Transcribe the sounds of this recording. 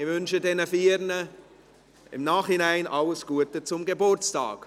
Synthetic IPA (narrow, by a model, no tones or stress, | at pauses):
ɪvʏnʃədɛnəfiːɾnə | ɪ̰mnaːχhɪnaɪnʔɑləsɡ̥uətət͡sʊmɡebʊɾt͡stɑ̰ːk